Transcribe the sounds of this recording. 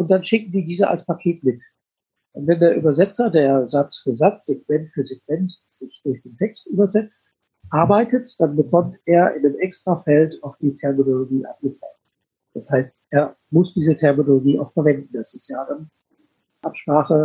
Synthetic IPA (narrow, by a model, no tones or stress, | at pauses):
ʔʊnt̚d̥anʃɪk̚ŋ̩diːdiːzəʔa̰lspʰakʰeːtmɪt | ʔʊntvɛndeːɐʔyːbɐzɛt͡sɐdeːɐzat͡sfyːɐzat͡sz̥ekmɛntfyːɐzekv̥ɛntz̥ɪçd̥ʊçd̥eːntʰɛkstʔyːbɐzɛt͡st | ʔaɐbaɪtətd̥anbəkʰɔmteːɐʔɪ̰nəmʔɛkstʁ̥afɛltaʊxd̥iːtʰɛɐminoloɡiːʔa̰nɡ̥ət͡saɪk̚t | d̥ashaɪstʔeːɐ | mʊsd̥iːzətʰɛɐminoloɡiːʔa̰ʊxfɛɐvɛndn̩dasɪsjaːdan | ʔapʃpʁ̥aːχə